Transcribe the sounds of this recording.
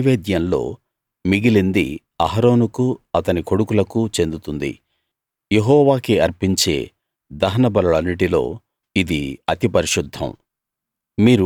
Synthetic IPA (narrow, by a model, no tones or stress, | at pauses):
ʋeːd̪jɐnlo̞̰ː | miɡilind̪ḭ | ɐɦɐɾo̞ːnukuɐt̪ɐniko̞ɽukulɐkut͡ʃe̞nd̪ut̪und̪ḭ | je̞ɦɔːʋaːkiɐɾpiɲt͡ʃe̞̰ː | d̪ɐɦɐnɐbɐlɐɭɐnːiʈilo̞̰ː | id̪iɐt̪ipɐɾiʂud̪ʱːɐ̰̃m | miːɾu